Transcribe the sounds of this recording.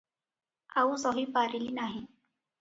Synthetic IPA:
ausɔɦipaɾilinaɦi

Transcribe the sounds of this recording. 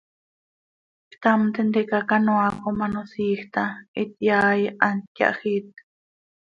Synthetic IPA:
kt̪amt̪end̪ekakanoakomanosiːxt̪ait̪̚jaːjʔankja̰ʔxit̪̚

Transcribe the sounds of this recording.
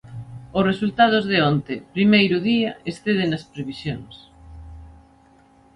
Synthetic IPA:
ʊsresult̪að̞ozðeont̪epɾimejɾʊðiaesθeð̞enɐspɾeβisjoŋs

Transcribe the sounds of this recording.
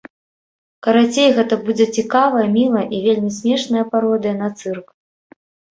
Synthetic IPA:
kɐɾat͡sʲejɣɛt̪ɐbud͡zʲɛt͡sʲikavɐjɐmʲilˠɐʔivʲelʲmʲisʲmʲɛʂnɐjɐpaɾɔd̪ɨjɐnat̪sɨrk

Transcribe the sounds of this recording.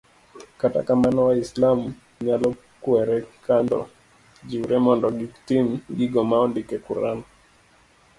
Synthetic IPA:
kata̰kamanɔwaislamu | ɲalɔ | kuɛɾɛkandɔ̰ | d͡ʒiuɾɛmɔndɔɡiktimɡiɡɔmaɔndikɛkuɾanɔ

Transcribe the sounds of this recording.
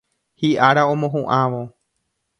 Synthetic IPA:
hiʔaɾaõ̞mõɦũʔaʋo

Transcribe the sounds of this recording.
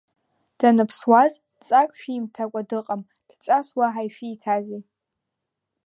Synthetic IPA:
d̥anɨpʰswaz | t͡sʼakʷʼʃᶣiimtʰakʷʼadɨqʼam | d̥t͡sʼaswaħajʃiːtʰazi

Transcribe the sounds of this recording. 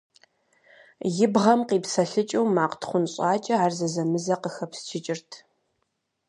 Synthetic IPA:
jɪbʁɐmqiːpsɐɬɨt͡ʃʼɪwmaːqtʰχʷʊnɕʼɑːt͡ʃʼɐaːrzɐzɐmɨzɐqəxɐpst͡ʃʰɪt͡ʃʼɪrtʰ

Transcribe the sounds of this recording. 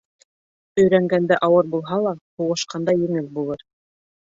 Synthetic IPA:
ɵ̆jɾæŋɡænd̪æʔɑwɤɾbulˠɦɑlˠɑhuʁɤ̆ʃqɑnd̪ɑjɘ̆ŋɘlbulˠɤɾ

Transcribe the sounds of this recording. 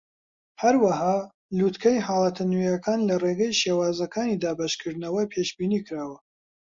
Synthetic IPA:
hɐɾwɐɦaː | luːt̪kʰɐjɦɑːlˠɐt̪ʰɨnijɐkʰaːnlɐreːɡɐjʃeːwaːzɐkʰaːniːd̪aːbaʃkʰɨɾd̪nɐwɐpʰeʃbiːnikɨɾaːwɐ

